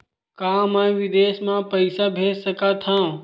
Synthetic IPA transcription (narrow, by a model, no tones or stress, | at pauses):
kãmaĩʋɪd̪eːsmãpəɪsabʱeːd͡ʒsəkat̪ʰã